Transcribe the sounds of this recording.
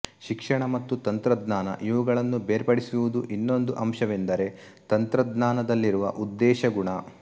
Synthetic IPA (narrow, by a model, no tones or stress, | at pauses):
ʃikʂɐɳɐmɐt̪ːut̪ɐnt̪ɾɐd̪naːnɐ̰ʔiʋuɡɐɭɐnːubeːɾpɐɽisuʋud̪uʔinːo̞nd̪uʔɐmʃɐʋend̪ɐɾe̞ | t̪ɐnt̪ɾɐd̪naːnɐd̪ɐlːiɾuʋɐ̰ʔud̪ːɛːʃɐɡuɳɐ